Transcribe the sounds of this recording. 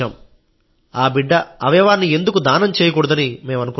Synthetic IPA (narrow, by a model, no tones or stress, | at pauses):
aːm | aːbiɖːɐɐʋɐjɐʋaːɾnie̞nd̪ukud̪aːnɐmt͡ʃɛːjɐk̬ɔɽud̪ɐnimeːmɐnuku